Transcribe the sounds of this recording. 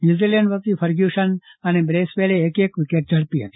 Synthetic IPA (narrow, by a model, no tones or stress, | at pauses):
njuːziːleɳɖʋət̪ipʰəɾɡjuːʃənɐnebɾeːspeːleːkeːkʋɪkeːʈ̚d͡ʒɐɽpiɦə̰t̪i̥